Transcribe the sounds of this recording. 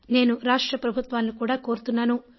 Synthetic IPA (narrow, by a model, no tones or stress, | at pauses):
ne̞ːnuɾaːʂʈɾɐpɾɐbʱut̪ʋaːnːikuːɽaːko̞ːɾut̪unːaːnu